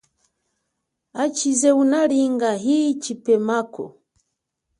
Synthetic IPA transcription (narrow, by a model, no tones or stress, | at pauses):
at͡ʃizɛunaliŋɡaɦit͡ʃipɛmakɔ̰